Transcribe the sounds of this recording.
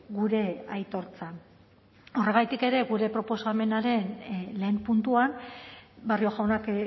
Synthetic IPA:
ɡuɾe̞ajt̪o̞ɾt͡san | o̞re̞ɣ̞ajt̪ike̞ɾe̞ɣuɾe̞pɾo̞po̞same̞naɾe̞nle̞ːmpunt̪uan | bario̞ɣaonak

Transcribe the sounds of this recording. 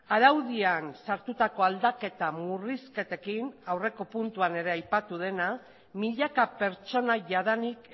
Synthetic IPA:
aðawðiansaɾt̪ut̪ako̞ald̪ake̞t̪amuriske̞t̪e̞kinawre̞ko̞punt̪uane̞ɾe̞ajpat̪uðe̞na | miʎakape̞ɾt͡ʃo̞naʝaðanik

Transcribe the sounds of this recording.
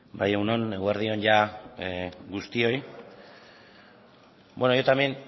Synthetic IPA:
bajewno̞ne̞ɣuaɾðio̞nʝa | ɡust̪io̞j | bwenojot̪amen

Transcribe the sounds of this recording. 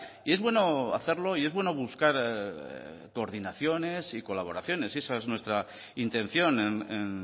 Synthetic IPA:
ie̞zβwe̞no̞a̰θe̞ɾlo̞ie̞zβwe̞no̞βuskaɾ | ko̞ːɾðinaθjo̞ne̞siko̞laβ̞o̞ɾaθjo̞ne̞se̞saeznwest̪ɾa | int̪e̞n̟θjo̞nenen

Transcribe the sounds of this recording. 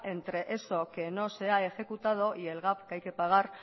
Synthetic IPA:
ʔe̞nt̪ɾe̞ʔeso̞ke̞no̞se̞ae̞xe̞kut̪að̞o̞ʔie̞lɣapkajke̞paɣ̞ar

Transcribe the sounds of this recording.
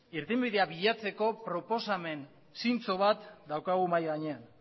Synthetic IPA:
iɾt̪imbiðe̞aβiʎat͡se̞ko̞pɾo̞po̞same̞n | sint͡so̞β̞at̪d̪awkaɣ̞umajɣaɲean

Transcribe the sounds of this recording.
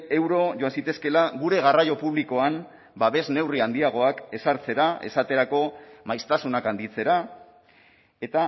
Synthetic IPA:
e̞wɾo̞ʝo̞ansit̪e̞ske̞laɣuɾe̞ɣ̞arajo̞puβliko̞am | baβe̞zne̞wriand̪iaɣ̞o̞ake̞saɾt͡se̞ɾae̞̰sat̪e̞ɾako̞majst̪asunakand̪it͡se̞ɾa | e̞t̪a

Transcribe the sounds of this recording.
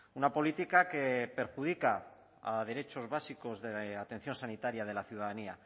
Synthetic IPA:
unapo̞lit̪ikake̞pe̞ɾxuðika | að̞e̞ɾe̞t͡ʃo̞zβasiko̞zðeat̪e̞n̟θjo̞nsanit̪aɾjað̞e̞laθjuðaðania

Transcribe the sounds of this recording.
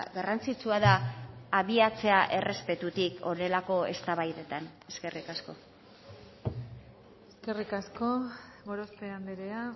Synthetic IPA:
ɡarant͡sit͡suaðaːβiat͡se̞aʔe̞re̞spe̞t̪ut̪ikʰo̞ne̞lako̞e̞st̪aβajðet̪ane̞ske̞rikasko̞ | eske̞rikasko̞ | ɣoɾospeand̪eɾea

